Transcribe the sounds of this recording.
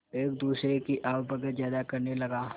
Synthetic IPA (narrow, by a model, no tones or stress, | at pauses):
eːk̚d̪uːsɾekiʔaːbbɐɡət̪zjaːd̪akɐɾnelɐɡaː